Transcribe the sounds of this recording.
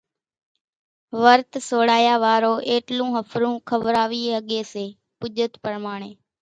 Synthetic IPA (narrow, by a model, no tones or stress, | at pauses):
ʋəɾt̪soːɽaːjaːʋaːɾoːʔeːʈlũːɦəfʰɾũːkʰəʋɾaːʋiːəɠeːseː | pʊʄət̪pəɾmaːɳ̃eː